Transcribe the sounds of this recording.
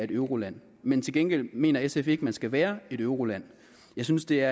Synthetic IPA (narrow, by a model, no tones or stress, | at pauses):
e̝ɾøʊʁo̝læn̰ | ment͡sʰelɡ̥enɡ̥el̰me̝̰ːnɐesefe̝ɡ̥əmænsɡ̥æʋæːɐe̝ɾ̥øʊʁo̝læn̰ | jɑ̈ɪsynsd̥e̝æɐ